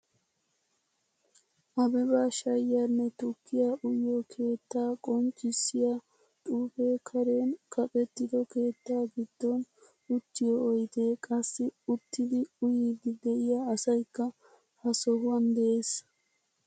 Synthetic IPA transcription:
ʔɐbɛbaːʃɐjːanːɛt̪ʊkːɪjaːʔʊjːoːkʰe̞ːt̪ːaːkʼɔnt͡ʃʼːɪsːɪjaː | t̪ʼuːfe̞ːkʰɐɾe̞ːnkʰɐpʼɛt̪ːɪd̪ɔke̞ːt̪ːaːɡɪd̪̥ːɔn | ʊt̪ːɪjɔːjt̪e̞ːkʼɐsːɪʊt̪ːɪd̪ɪʊjiːd̪ɪd̪ɛʔɪjaːsɐjkːɐ | hɐsɔɦʊwɐnd̪ɛʔe̞ːs

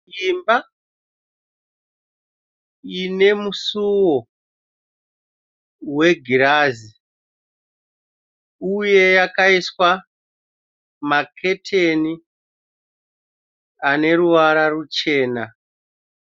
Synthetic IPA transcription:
imba | ine̞musuwo | we̞ɡʱiɾazi | uje̞jakaiswa | makʰe̞tʰeni | ane̞ɾuʋaɾarut͡ʃe̞ːna

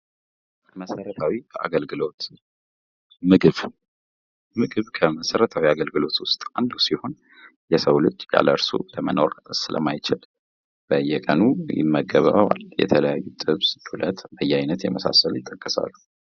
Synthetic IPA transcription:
məsəɾət̪ʰawikʰəʔa̰ɡəlɡɨlo̞t̪ | mɨɡɨβ | mɨɡɨβkʰəməsəɾət̪ʰawiaɡəlɡɨlo̞t̪wʊst̪ʼand̪usiho̞n | jɛsəwlɨt͡ʃːʼja̰ləɾsṵləməno̞ɾsɨlə̰majt͡ʃɪl | b̥əjːɛkʼənujɪ̰mːəɡəβəəwa̰ljɛ̰t̪ʰələjajːut̪ʼɨβsd̪̥ulʔət̪bəjːɛajnət̪jɛməsa̰səljɪt̪ʼːəkʼːəsa̰lːu

